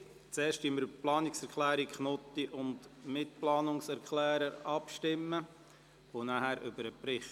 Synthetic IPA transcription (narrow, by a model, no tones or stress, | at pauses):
t͡sɛːʃtiməɾplɑːnɪksɛɾkʰlæːɾikχnot̪ːiʔʊndmɪtplɑːnʊŋsɛɾkχlæːɾəɾɑpʃtɪmːə | ʋonahæɾʔʏbəɾəpɾɪχ